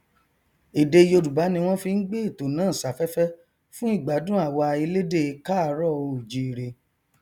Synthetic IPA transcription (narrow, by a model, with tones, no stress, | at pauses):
i˨de˧jo˧du˨ba˨˦nĩ˧w̃ɔ̃˦fi˧n̩˦ɡ͡be˦i˦˨to˨nãː˦˨sa˨fɛ˦fɛ˦ | fũ˦i˦˨ɡ͡ba˨˦dũ˦a˦˨wa˧i˧le˦de˦˨˧ka˦˨˧ɾɔ˦˨o˧˨d͡ʒi˨˦˨ɾe˧